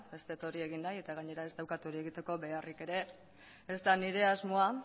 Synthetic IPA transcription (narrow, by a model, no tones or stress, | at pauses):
be̞st̪e̞t̪o̞ɾie̞ɣ̞inːaje̞t̪aɣ̞aɲe̞ɾae̞zt̪awkat̪uɾie̞ɣit̪e̞ko̞be̞arike̞ɾe̞ː | zt̪aniɾe̞azmo̞a